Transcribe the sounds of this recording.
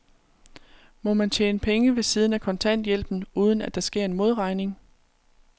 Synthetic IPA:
mɒ̽mænt͡ɕʰjḛːnəpʰeŋəʋe̝siːð̞ˠən̩ækʰɒ̽nt͡sʰæn̰d̥jel̰b̥n̩uːð̞ˠn̩æd̥ɑ̈sɡ̥e̝ɐ̰e̝nmo̝ð̞ˠʁɑ̈ɪne̝ŋ

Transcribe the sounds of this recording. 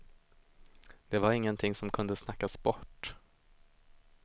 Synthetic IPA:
d̪̥ɛvaɾɪŋːənt̪ʰɪŋːsɔmkʰɵnd̪əsnakːasbɔʈː

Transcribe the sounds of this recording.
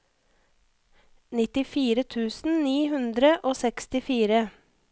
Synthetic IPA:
nɪt̪ɪfiːɾət̪ʰʉːsn̩niːhʉnd̪ɾəʔoːsɛkst̪ɪfiːɾə

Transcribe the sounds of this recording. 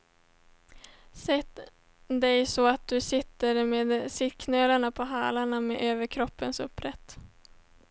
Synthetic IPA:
sɛt̪ | d̪ɛjsɔat̪̚d̪ɵsɪt̪ːəɾmeːd̪sɪkʰnøːlaɳapʰɔɦɑ̰ːlaɳameʔøːvəɾkʰɾɔpːənsɵ̰pːɾɛt̪ː

